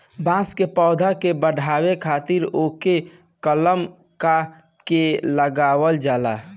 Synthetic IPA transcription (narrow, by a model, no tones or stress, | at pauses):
bãskepɔːd̪ʱakebəɽʱaːwekʰaːt̪iɾoːke | kələm | ka | keləɡaːwəld͡ʒaːla